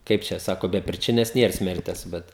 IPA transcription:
ˈkɐɪp t͡ʃʲɛ ˈsɑːkoː bʲɛ pʲrʲɪˈt͡ʃʲɪnʲɛs ˈnʲiɛr ˈsʲmʲɛrʲtʲɛs ˈbʲɛt

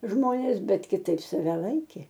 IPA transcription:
ˈʒmoːnʲeːs ˈbʲɛt kʲɪˈtɐɪp sɐˈʋʲɛ ˈlˠɐɪkʲeː

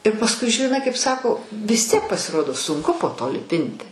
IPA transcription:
ɪr pɐsˈkʊɪ ʒʲɪˈnɐɪ kɐɪp ˈsɑːkoː ʋʲɪs ˈtʲiɛk pɐsʲɪˈroːdoː sʊŋˈkʊ poː toː lʲɪˈpʲɪnʲtʲɪ

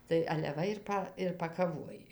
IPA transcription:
tɐɪ ɐlʲɛ ˈʋɐ ɪr ˈpɐ ɪr pɐkɐˈʋoːj

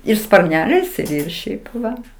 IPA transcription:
ɪr spɐrʲˈnʲæːlʲɛɪs ɪr ɪr ˈʃʲɛɪp ˈʋɐ

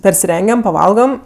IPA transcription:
pʲɛrʲsʲɪˈrʲɛŋʲɡʲɛm pɐˈʋɐlˠɡɐm

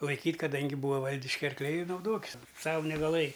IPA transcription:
lˠɐɪˈkʲiːtʲ kɐˈdɐŋʲɡʲɪ ˈbuːɐ ˈʋɐlʲdʲɪʃʲkʲɪ ɐrkˈlʲɛɪ ɪ nɐʊˈdoːkʲɪs ˈsɑːʋʊ nʲɛɡɐˈlˠɘjɪ

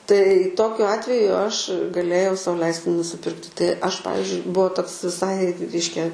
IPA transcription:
tɐɪ ˈtoːkʲʊ ˈɑːtʲʋʲɛjʊ ˈɐʃ ɡɐˈlʲeːjɛʊ ˈsɐʊ ˈlʲɛɪsʲtʲɪ nʊsʲɪˈpʲɪrktʲɪ tɐɪ ɐʃ ˈpɑːʋʲɪzʲd͡ʒʲʊɪ ˈbuɔ ˈtoːks ʋʲɪˈsɐɪ ˈrʲɛɪʃʲkʲɛ

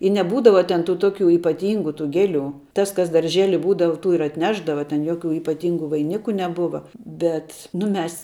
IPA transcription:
ɪ nʲɛˈbuːdɐʋɐ ˈtʲɛn tuː ˈtoːˌkʲuː iːpɐˈtʲɪŋɡʊ tuː ˈɡʲæːˌlʲuː ˈtɐs kɐs dɐrʲˈʒʲeːlʲɪ ˈbuːdɐʋɐ ˈtuː ɪr ɐtʲˈnʲæːʒdɐʋɐ tʲɛn ˈjoːˌkʲuː iːpɐˈtʲiːŋɡʊ ʋɐɪˈnʲɪkʊ nʲɛˈbʊʋɐ ˈbʲɛt nʊ ˈmʲɛs

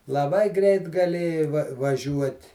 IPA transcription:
lˠɐˈbɐɪ ˈɡrʲɛɪt ɡɐˈlʲeːjɛɪ ʋɐ ʋɐˈʒʲuɔtʲ

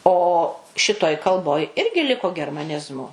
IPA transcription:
ˈoː ˈʃʲɪtoːj kɐlˠˈboːj ˈɪrʲɡʲɪ ˈlʲɪkoː ɡʲɛrmɐˈnʲɪzmʊ

